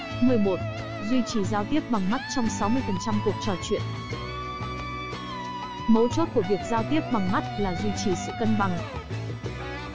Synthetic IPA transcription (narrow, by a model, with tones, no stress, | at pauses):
mɨ˨˩əjmo˨˩t̚ | zwi˧t͡ɕi˨˩zaː˧wt̪i˦˥əp̚ɓa˨˩ŋma˦˥t̚t͡ɕɔ˧wŋ͡msa˨˦wmɨ˧əjfə˨˩nt͡ɕa˧mku˨˩ək̚t͡ɕɔ˨˩t͡ɕwḭ˧˨ən | mə˨˦wt͡ɕo˦˥t̚ku˧˩əvi˨˩ək̚zaː˧wt̪i˦˥əp̚ɓa˨˩ŋma˦˥t̚laː˨˩zwi˧t͡ɕi˨˩sɨ̰˧˨kə˧nɓa˨˩ŋ